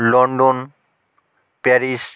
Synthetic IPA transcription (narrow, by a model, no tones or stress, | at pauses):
lɔɳɖon | pɛɾis